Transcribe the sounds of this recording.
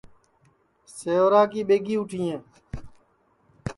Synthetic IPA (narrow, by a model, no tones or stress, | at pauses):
seːoːɾaːk̬iːɓeːɡiːʊʈʰiːẽː